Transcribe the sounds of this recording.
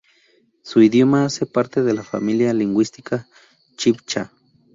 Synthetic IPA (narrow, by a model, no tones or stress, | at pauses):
suiðjomaasepaɾt̪eðelafa̰miljaliŋɡwist̪ikʰa | t͡ʃipt͡ʃa